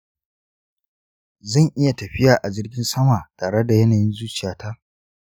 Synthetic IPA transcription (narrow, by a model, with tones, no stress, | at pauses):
zɐ˦˨ŋʔɪ˦ja˨tɐ˨ɸɪ˦jaː˨ʔa˨d͡ʒɪ˦rɡʲɪ˦nsɐ˦maː˨taː˨ɽe˦da˨jɐ˦naː˨jɪ˦nzuː˦t͡ʃɪ˨jaː˦ta˦ʔ